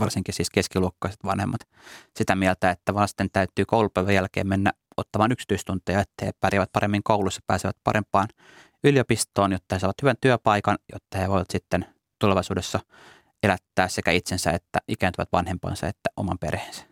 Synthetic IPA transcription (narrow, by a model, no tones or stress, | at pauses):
ʋɑrsiŋkisiːskeskiluokːɑise̥t̪ʋɑnhemːɑt̪ | sit̪æmielt̪æet̪ːæʋɑst̪ent̪æyt̪yːkoulupæiʋæjælkḛːmmenːæ | ʔo̰t̪ːɑmɑːnyksi̥t̪yist̪unt̪ejɑet̪ːæhepæriæʋæt̪̚pɑɾemːiŋkoulusːɑpæːseʋæ̰t̪pɑ̰ɾempːˑɑːn | yljopist̪oːnjot̪ːɑhesɑiʋɑt̪hyʋænt̪yøpɑikɑnjo̰t̪ːɑheʋoiʋɑt̪sit̪ːen | t̪uleʋɑisuːdesːɑ | elæt̪ːæːssekæit̪sensæ̰et̪ːæʔikæːnt̪yʋæ̰t̪ʋɑnhempɑ̰ːnsɑ̰ḛt̪ːæʔo̰mɑ̰mpḛreensæ̥